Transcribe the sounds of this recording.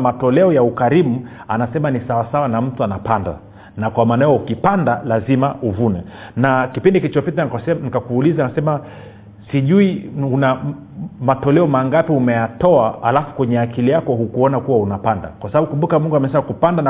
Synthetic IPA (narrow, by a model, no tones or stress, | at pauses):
matɔlɛɔjaukaɾimuanasɛmanisawasawanam̩tuanapanda̰ | nakwamaːnaajɔukipandalazimaʔuvunɛnakipindikit͡ʃɔpitaksɛnikakuːlizanasɛma | siʄuiuna | matɔlɛɔmaŋɡapiumɛjatɔaa̰lafu̥kwɛɲɛakilijakɔhukuɔnakuwaunapanda̰kwasabaɓukumbukamuŋɡuamɛsɛmakupandana